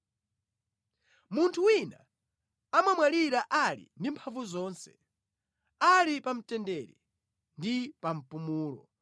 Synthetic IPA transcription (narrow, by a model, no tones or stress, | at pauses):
muntʰuwina | amamwaliɾaʔalḭndimpʰaɱvuzɔːnsɛ̥ | alipam̩tɛndɛɾḭ | ndipam̩pumuːlɔ